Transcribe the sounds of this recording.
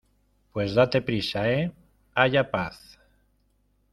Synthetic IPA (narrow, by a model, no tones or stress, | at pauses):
pwezðat̪e̞pɾisae | aʝapaθ